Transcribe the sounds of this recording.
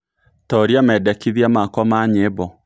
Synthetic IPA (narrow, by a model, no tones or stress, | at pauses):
tɔɾiamɛdɛkiðiamakwɔmaɲebɔ